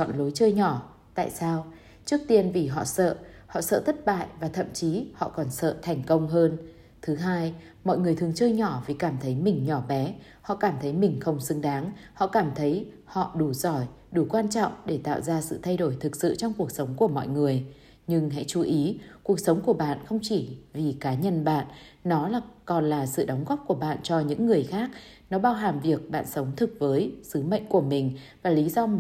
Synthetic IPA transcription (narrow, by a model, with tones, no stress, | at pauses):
t͡ɕɔ̰˧˨nlo˨˦jt͡ɕəː˧jɲɔ˧˩ | t̪a̰ː˧˨jsaː˧w | t͡ɕɨ˦˥ək̚t̪i˧ənvi˨˩ɦɔ̰˧˨sə̰ː˧˨hɔ̰˧˨sə̰ː˧˨t̪ʰə˦˥t̚ɓa̰ː˧˨jvaː˨˩t̪ʰə̰˧˨mt͡ɕi˨˦hɔ̰˧˨kɔ˨˩nsə̰ː˧˨t̪ʰɛ˨˩jŋ̟kə˧wŋ͡mɦəː˧n | t̪ʰɨ˨˦ɦaː˧j | mɔ̰˧˨jŋɨ˨˩əjt̪ɨ˨əŋt͡ɕəː˧jɲɔ˧˩vi˨˩kaː˧˩mt̪ʰə˨˦jmï˨˩ŋ̟ɲɔ˧˩ɓɛ˨˦ | hɔ̰˧˨kaː˧˩mt̪ʰə˨˦jmï˨˩ŋ̟xə˧wŋ͡msɨ˨˦ŋɗaː˨˦ŋhɔ̰˧˨kaː˧˩mt̪ʰə˨˦j | hɔ̰˧˨ɗu˧˩z̥ɔ˧˩j | ɗu˧˩kwaː˧nt͡ɕɔ̰˧˨wŋ͡mɗe˧˩t̪a̰ː˧˨wzaː˧sɨ̰˧˨t̪ʰa˧jɗo˧˩jt̪ʰɨ˨˩k̚sɨ̰˧˨t͡ɕɔ˧wŋ͡mku˨˩ək̚sə˨˦wŋ͡mku˧˩əmɔ̰˧˨jŋɨ˨˩əj | ɲɨ˧ŋɦa̰˧˥jt͡ɕu˨˦ʔi˨˦ku˨˩ək̚sə˨˦wŋ͡mku˧˩əɓa̰ː˧˨nxə˧wŋ͡mt͡ɕi˧˩vi˨˩kaː˨˦ɲə˧nɓa̰ː˧˨nnɔ˨˦laː˨˩kɔ˨˩nlaː˨˩sɨ̰˧˨ɗɔ˨˦wŋ͡mɣɔ˦˥p̚ku˧˩əɓa̰ː˧˨nt͡ɕɔ˧ɲɨ̰˧˥ŋːɨ˨˩əjxaː˦˥k̚ | nɔ˨˦ɓaː˧wɦaː˨˩mvi˨˩ək̚ɓa̰ː˧˨nsə˨˦wŋ͡mt̪ʰɨ˨˩k̚vəː˨˦jsɨ˨˦mə̰˧˨jŋ̟ku˧˩əmï˨˩ŋ̟vaː˨˩li˨˦zɔ˧